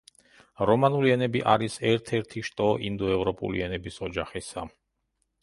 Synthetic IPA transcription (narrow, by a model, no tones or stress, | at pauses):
ɾɔmanuliɛnɛbiʔaɾisɛɾt̪ʰɛɾt̪ʰiʃt̪ʼɔʔind̪ɔɛvɾɔpʼṵlḭɛnɛbisɔd͡ʒaχisa